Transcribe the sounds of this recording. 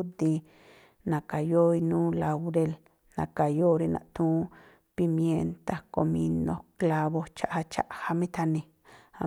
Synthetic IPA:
d̪i˧ | nã˨ka˨jo˦i˧nũː˦la˧wɾe˧l | nã̰˨ka˨jo˦ɾi˧nã̰˨ʔt̪ũː˦ | pi˧mje˧nt̪a˧ko˨mĩ˧nõ̰˧kla˧βo˧t͡ʃa˦˧ʔha˧t͡ʃa̰˦ʔha˧mĩ˦t̪ʰa˧nĩ˧ | a˧˨

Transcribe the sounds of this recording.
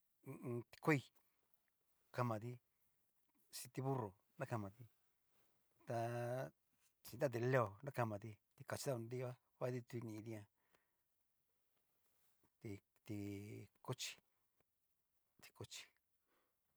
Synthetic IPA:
t̪i̥˧kʷe˦i˧ | ka˧mã˨ði˧ | sĩ˧t̪i˧βu˦ro˨ | nã˦ka˧mã˨ði˧ | t̪a˧ | t͡ʃĩ˧nd̪a˦t̪̬e˧le˦o˨nã˦ka˧mã˨ði˧t̪i˧ka˧t͡ʃi˧ða˦u˧nd̪i˦˧˦a˦ | βa˦˧ði˦˧t̪u˧i˧nĩ˧ði˧˦ã˧ | ti˧ | t̪i˧ko˦t͡ʃi̥˧ | t̪i̥˧ko˦t͡ʃi̥˧

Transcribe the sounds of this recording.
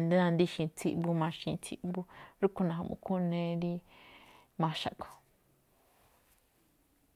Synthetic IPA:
nd̪ẽ˦nã˧nd̪i˦ʃĩ˧t͡sʰi˧ʔbu˧mã˧ʃĩ˧t͡sʰi˦ʔbu˦ɾu˦ku˧nã˨ɦã̰˨mṵ̃˧˨kʰu˦nẽ˧˦ɾi˦ | mã˧ʃa˨ko̥˨

